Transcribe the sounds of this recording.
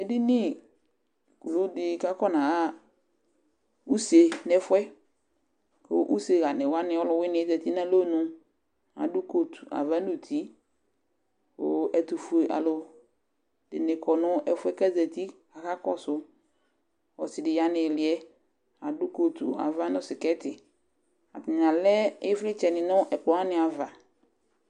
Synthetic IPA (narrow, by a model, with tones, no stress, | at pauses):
ɛ˨dɪ˦nɪ˦˨ | ku˨lu˦dɪ˨ka˦kɔ˦nã˨ɣa˦ | u˦se˨nɛ˦fʊ˦ɛ˦ | ko̰˦ʔu˦se˨ɣa˨nɪ˨wa˦nɪ˨ɔ˦lʊ˨wɪ˦nɪ˨˦zɛ˨t̪i˦na˦lo˦nʊ̃˨ | a̰˨dʊ˦ko˨t̪u̥˨a̰˨va˦nu˨t̪ʰi˨˦ | ko̰˦ʔɛ˨t̪u˨fu˨e˨ʔa̰˨lʊ˨ | dɪ̰˨nɪ˨kʰɔ˨nʊ̃˦ʔɛ˨fʊ˦ɛ˦ka˦zɛ˨t̪i˦ | a˨ka˦kɔ˦sʊ˨ | wɔ˨sɪ˨dɪ˨ja˨nɪ˨lɪ˨ɛ˦ | a˨dʊ˦ko˨t̪u˨a̰˨va˦nʊ̃˨sɪ˨kɛ˦tɪ˨ | a˨tɪ˨ɲ˨a˨lɛ˦ɪ˦flɪ˦t͡ʃɛ˨nɪ˨nʊ̃˦ʔɛ˨k͡pʊ˨wa˦nɪ̃˨a˨va˨